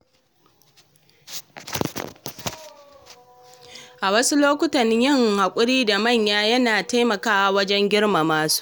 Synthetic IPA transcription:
ʔa˨wɐ˦su˦loː˦kʷʊ˦tɐ˨nːɪ˦ɲjɪ˦ŋha˨kʷʼʊ˦ɾiː˦da˨mɐ˦˨ɲjaː˦jɐ˦naː˨ta˦jmɐ˨kaː˦wa˨wɐ˦d͡ʒɛ˦ŋɡʲɪ˦ɽma˨maː˦su̥ː˦ʔ

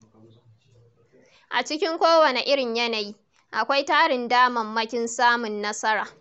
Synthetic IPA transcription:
ʔa̰˨t͡ʃɪ˦kʲɪ˦ŋkʷoː˦wɐ˨ne˨ʔɪ˦ɽɪ˨ɲjɐ˦na˨jiː˦ | ʔa˨kʷa˦jtaː˦ɽɪ˨ndaː˦mɐ˨mːɐ˦kʲɪ˦nsaː˦mʊ˨nːɐ˦sɐ˦ɾaː˨

